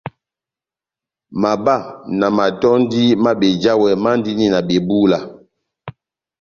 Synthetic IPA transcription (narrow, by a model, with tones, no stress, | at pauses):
ma˨ba˦˨na˨ma˨tɔ˦n˦di˦ma˦ɓe˨d͡ʒa˦wɛ˨ma˦n˦di˦ni˦na˨ɓe˨bu˦la˨